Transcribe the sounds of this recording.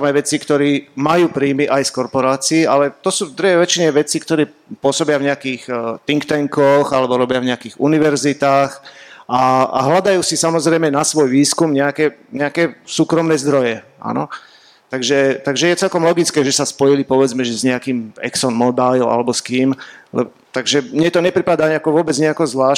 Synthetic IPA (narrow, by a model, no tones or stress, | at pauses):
t̪amajʋɛt͡sikt̪ɔɾiːmajuːpɾiːmiʔajskɔɾpɔɾaːt͡siːʔalɛt̪ɔsuːvd̪ɾuɦɛjʋɛt͡ʃiɲɛʋɛt͡siːkt̪ɔɾɛːpʊɔsɔbɪavɲɛakiːxt̪iŋkt̪ɛŋkɔxalɛbɔɾɔbɪavɲɛakiːɣṵniʋɛɾzit̪aːxaa̰ɦlad̪ajuːsisamɔzɾɛjmɛnasʋɔjʋiːskumɲɛakɛɲɛakɛsuːkɾɔmnɛːzd̪ɾɔjɛʔa̰nɔ̰ | t̪aɡʒɛt̪aɡʒɛjɛt͡sɛlkɔmlɔɡit͡skɛːʒɛsaspɔjilipɔʋɛd͡zmɛʒɛzɲɛakiːmɛ̰ksɔnmɔbajla̰lɛbɔskiːmlɛ̰ | t̪aɡʒɛmɲɛt̪ɔɲɛpɾipad̪aɲakɔʋʊɔbɛd͡zɲɛakɔzʋlaː